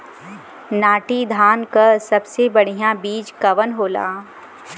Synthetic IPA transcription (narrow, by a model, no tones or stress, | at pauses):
naːʈid̪ʱaːnkɐsɐbsebɐɽ̤ijãbiːd͡ʒkɐʋənɦoːla̰ː